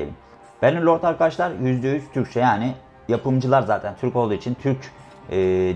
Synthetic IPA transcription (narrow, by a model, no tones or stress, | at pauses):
ḛim | b̥ænimlʲo̞ɾt̪ʰaɾkat͡ʃlˠaɾjyzd̪eyzt̪ʰyɾc̚ʲt͡ʃʰɛjaːnɪ | japʰɯmd͡ʒɯlˠaɾzaːt̪ʰænt̪ʰyɾkolˠuːit͡ʃʰint̪ʰyɾcː